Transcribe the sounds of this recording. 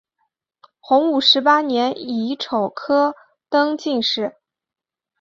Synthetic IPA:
xʊ˧˥ŋu˨˩ʂɻ̩˧˥pa˥njɛ˧˥ni˧˥ʈ͡ʂʰo˨˩ʊkʰɤ˥ | t̪ɤ˥ŋt͡ɕi˥˧ŋʂɻ̩˥˩

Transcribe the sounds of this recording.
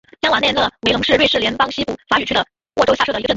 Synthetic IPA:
jɑ˥ŋwɑ˨˩nɛ˥˧nlɤ˥˩we˧˥ɪlʊ˧˥ŋʂɻ̩˥˧ɻwe˥˧ɪʂɻ̩˥˩ljɛ˧˥npɑ˥ŋɕi˥pu˥˩fa˧˥y˨˩t͡ɕʰy˥d̪ə˨˩ | wʔɔ˥˧ʈ͡ʂo˥ʊɕa˥˩ʂdə˩˧˥

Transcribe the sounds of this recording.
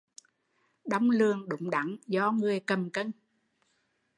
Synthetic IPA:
ɗa˧wŋ͡mlɨ˨˩əŋɗʊ̰˧˨˦ŋ͡mɗa˧˦ŋzɔ˧ŋɨ˨˩əjkə˨˩mkə˧n

